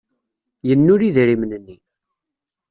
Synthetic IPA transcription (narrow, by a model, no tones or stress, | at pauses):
jənːʊɾiðɾimnənːi